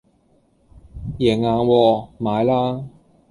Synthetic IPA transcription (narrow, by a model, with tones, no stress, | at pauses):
jɛː˨˩ŋaː˧nwɔː˧maː˨˧jlaː˥